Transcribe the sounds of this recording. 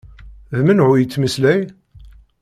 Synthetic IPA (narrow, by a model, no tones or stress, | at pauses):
ðmənʕʊjət͡sːməslæj